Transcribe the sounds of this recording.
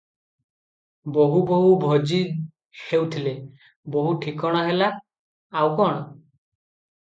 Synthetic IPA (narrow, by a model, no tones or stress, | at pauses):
boɦuboɦubʱod͡ʒi | hewt̪ʰile | boɦuʈʰikɔɽ̃aɦelaː | wkɔːɽ̃ɔ